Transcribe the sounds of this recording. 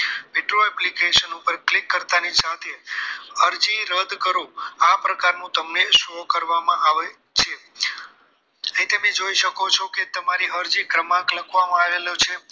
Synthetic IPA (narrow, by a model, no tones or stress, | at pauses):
peʈɾoɛplikeʃənupəɾklikːəɾt̪anisat̪ʰeəɾd͡ʒiɾəd̪kəɾũapɾəkaɾnũt̪əmneʃokəɾʋamãʔaʋe | t͡ʃʰe | əĩt̪əmed͡ʒoiʃəkot͡ʃʰoket̪əmaɾiəɾd͡ʒikɾəmãkləkʰʋamãaʋelot͡ʃʰe